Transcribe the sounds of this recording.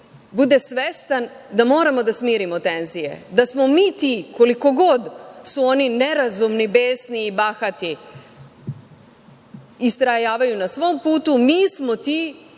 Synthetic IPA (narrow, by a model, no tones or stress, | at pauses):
bud̪esʋest̪and̪amo̞ːɾamo̞d̪asmiːɾimot̪e̞nzije̞̰d̪asmo̞miːt̪iko̞liko̞ɡo̞d̪suonine̞ɾazumnibeːsniːbaxat̪i | ist̪ɾajaːʋajunasʋo̞mpuːt̪umiːsmo̞t̪i